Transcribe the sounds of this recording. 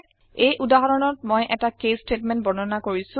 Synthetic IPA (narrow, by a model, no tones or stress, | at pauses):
ejʔudaɦɔɹɔnɔt̚mojʔɛtakestɹetmɛnt̚bɔnɔnakoɹisʊ̃